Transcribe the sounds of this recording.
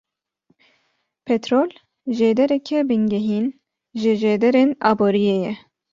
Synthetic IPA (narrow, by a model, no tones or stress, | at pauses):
pʰɛt̪ɾoːl | ʒeːd̪ɛɾɛkʰɛbɨŋɡɛɦiːn | ʒɨʒeːd̪ɛɾenɑːboːɾijeːjɛ